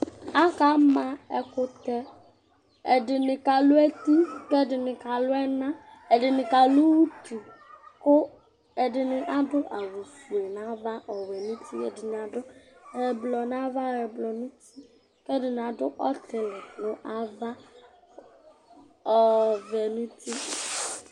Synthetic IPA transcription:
a˦ka˨˦mã˦ɛ˨kʊ˦t̪ɛ˦ | ɛ˨dɪ˨nɪ˨ka˨lʊ˦ɛ˦t̪i˦kɛ˦dɪ˨nɪ˨ka˨lʊ˦ɛ˦nã˦ | ɛ˨dɪ˨nɪ˨ka˨lu˦wu˦tu˨kʊ˦ | ɛ˨dɪ˨nɪ˨ʔa˦dʊ˦ʔa˨vu˨su˨e˨nã˦va˦ʔɔ˨wɛ˨nũ˦t̪ʰi˦ɛ̰˨dɪ˨nɪ̃˨a˨dʊ˦ɛ˨blɔ˨nã˦va˦ɛ˨blɔ˨nũ˦t̪i˦ | kɛ˦dɪ˨n˨a˨dʊ˦ʔɔ˦t̪e˨lɛ˨lʊ˨ʔa˨va˦ | ɔ˨vɛ˨nũ˦t̪i˦

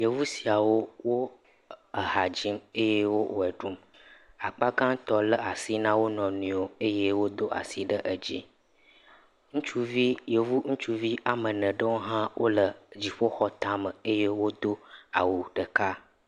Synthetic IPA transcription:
jə˨vu˦si˨a˨wo˦wo˦ | ə˨ɦa˨d͡ʑi˦me˦je˦wo˦ʔo˨ɛ˨ɖu˦m | a˨k͡pa˦ɡã˦t̪ɔ˦lə˦a˨si˦nã˦wo˦nɔ̃˨nũ˨˦o˦e˦je˦wo˦d̪o˦a̰˨si˦ɖə˦ʔə˨d͡ʑḭ˦ | ŋũ˦t͡ʃu˦vi˦jə˨vu˦ŋũ˦t͡ʃu˦vi˦ʔa˨mə˨nə̃˨ɖə˦wo˦ɦã˦wʔo̰˦lə˨d͡ʑi˨ɸo˦xɔ˦t̪a˦mə˨e˦je˦wo˦d̪o˦a˨wu˨ɖə˨ka˦

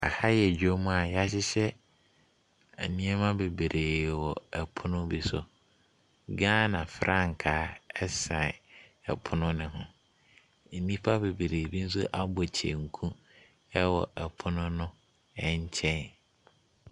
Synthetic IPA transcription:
a˨ha˦jɛ˨d͡ʑᶣo˦mã˦a˨ja˦ɕ̬ɪ˦ɕɛ˦ | ɛ̰˨nĩ˦ɛ˦mã˦be˨be˨ɾʔeː˨wɔ˨ɛ˨pʰʊ˦nʊ̃˦bi˨sʊ˨ | ɡãː˦nã˨fɾʔa˦ŋ̩˨kʰaː˨˦ɛ˦sa˨ɪ˨ɛ̰˨pʰʊ˦nʊ̃˦nɪ̃˨ɦʊ̃˨ | n̩˨nĩ˦pʰa˦be˨be˨ɾeː˨bi˦n̩˦sʊ˦ʔa˦bɔ˨t͡ɕʰḛ˨ŋ̩˨kʰũ˦ | ɛ˦wɔ˨ɛ˨pʰʊ˦nʊ̃˦nʊ̃˦ | ɛ˦˨ɲ˦t͡ɕʰɛ̃˦n

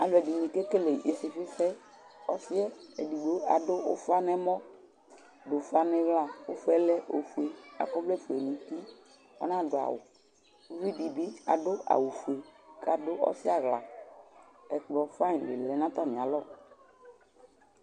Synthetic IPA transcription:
a˨lʊ˨ɛ˨di˨nĩ˨ke˦ke˦le˨ʔe˨sɪ˨fɪ˦fɛ˦ | ɔ˦sɪ˦ɛ˦ɛ˨di˨ɡ͡bo˦a˨dʊ˦ʊ̰˦fa˦nɛ˦mɔ̃˦ | dʊ˨fa˦nɛ̃˦vla˦˨ʊ˦fu˦ɛ˦lɛ˦ʔo˨fu˨e˨a̰˨kɔ˦blɛ˦˨fu˨ɛ˨nĩ˨ti˦ | ɔ̰˦nã˦dʊ˨a̰˨wʊ̰˨˦ | vi˦di˨bi˦a̰˨dʊ˦a̰˨wu˨fu˨e˨ka˦dʊ˦ɔ̰˦sɪ˦a˦ɣla̰˨ | ɛ˨k͡plɔ˨fa˦˨dɪ̰˨lɛ˨nã˦t̪a˦˨nĩ˨a˨lɔ˦˨

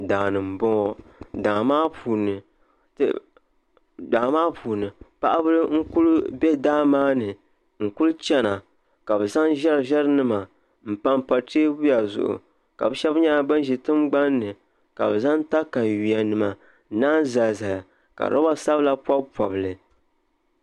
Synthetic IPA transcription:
daː˨nɨ˨m̩˨bɔ˦ŋɔ˦daː˨maː˦pʰuː˨nɨ˨ | tɨ̰˨ | daː˨maː˦puː˨nɨ˨pa˦ʔa˦bɨ˦lɨ˦ŋ̩˦ku˦lbɛ˦daː˦maː˦nɨ˨ | ŋ̩˨ku˦lt͡ʃɛ˦na˨ | ka˨bɨ˨za˦nʒɛ˦ɾɨ˨ʒɛ˦ɾɨ˦nɨ˦ma˨ | m̩˨pa˦mpa˨teː˦bu˦ja˨zʊ̰˨ʔʊ̰˨ | ka̰˨bɨ˦ʃɛ˦bɲa˦a˨bɨ˦n˦ʒi˨tɨ˦mɡ͡ba˦nːɨ˨ | ka̰˨bɨ˨za˦nta˦ka˨ɥi˨a˨nɨ˨ma˨˦ | naː˦nza˨za˨ja˨ | ka̰˨ɾa˦ba˦sa˦bla˦pwa˦bpɔ˨bɨ˨lɨ˨

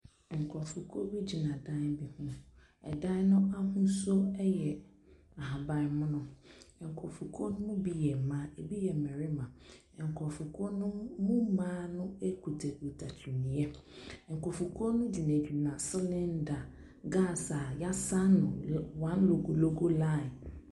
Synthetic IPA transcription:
ŋ̩˨kʰɔ˨fu˨kʰo˦bi˦d͡ʑi˨nã˨dã˦bi˨hũ˦ | ɛ̰˨dã˦nʊ̃˦a˦hũ˦so˦ɛ˦jɛ˨ | a˨ha˨ba˨˦mʊ̃˦nʊ̃˦ɛ˨ŋ̩˨kʰɔ˨fu˨kʰo˦n˦mʊ̃˦bi˦jɛ˨m̩˨mã˦e˨bi˦jɛ˨m̩˨mɛ̃˨ɾɪ˦mã˨ | ɛ̃˨ŋ̩˨kʰɔ˨fu˨kʰo˦nʊ̃˦mũ˦mãː˦nʊ̃˦e˦kʰu˨tʰɛ˨o˨tʰa˨tʰi˨nĩ˨ɛ˦ | ɛ˨ŋ̩˨kʰɔ˨fu˨kʰo˦nʊ̃˦di˨næ̃˨d͡ʑi˨nã˨sɪ˦lɪ̃˦n˦da˨ | ɡa˦˨sa˨ja˦sa˦nʊ̃˨wã˦nlo˨ɡo˨lo˦ɡo˦la˦˨

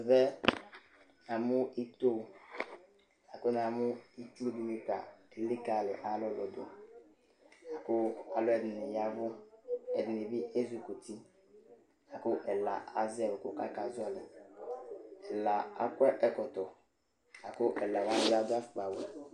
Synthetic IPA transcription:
vɛ˦ | a˨mʊ˦i˦t̪o˦˨ | a˨kʊ˦n˨a˨mʊ˦i˦tu˦ɾo˦˨di˨mi˦ka̰˨e˨lɪ˦ka˨lɪ˨ʔa˨lɔ˦lɔ˨dʊ̰˨ | a˨kʊ˦a˨lɔ˦ɛ˨dɪ˨nɪ˨ja˦vʊ˦ɛ˨dɪ˨nɪ˨bi˦ʔe˦zu˨ko˨ti˦ | a˨kʊ˦ʔɛ˨la̰˨a˨zɛ˦˨wɛ˨kʊ˦ka˦ka˨zʊ˦ɔ˦lɪ˨ | ɛ˨la˨a̰˨kwɛ˦ʔɛ˦kɔ˨t̪ɔ˨ | a˨kʊ˦ʔɛ˨la˨wa˦zɪ˦a˦dʊ˦a˦˨k͡pa˨wu˨

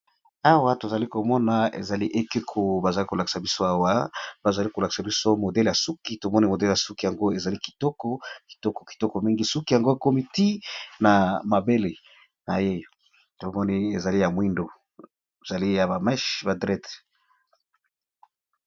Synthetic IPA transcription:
a˦wa˦to˨za˨li˦ko˨mɔ˦na˨ḛ˨za˨li˦ʔe˦ke˦kʰo˨ba˨za˨li˦ko˨la˨ki̥˨sa˨bi˦so˦a˦wa˦b̥a˨za˨li˦ko˨la˨ki̥˨sa˨bi˦so˦mo˨dɛ˦lja˨su˦ki˨˦to˨mɔ˦ni˦mo˨dɛ˦lja˨su˦ki˨ja˨ŋɡo˦e˨za˨li˦ki̥˨tɔ˦kɔ˦ki̥˨tɔ˦kɔ̥˨ki̥˨tɔ˦kɔ˨mi˦ŋɡi˦su˦ki˨a˨ŋɡo˦jko˦mi˨ti˦na˨ma˨be˦le˨ | na˨je˦ | to˨˦mɔ˦ni˦e˨za˨li˦ja˨mwi˦ndo˨ | za˨li˦ja˨ba˨mɛ˦ʃba˨dʁɛ˦t

